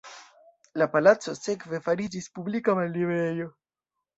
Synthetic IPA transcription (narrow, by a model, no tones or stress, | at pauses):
lapalat͡so̞se̞kve̞faɾid͡ʒispublikamalːivejo̞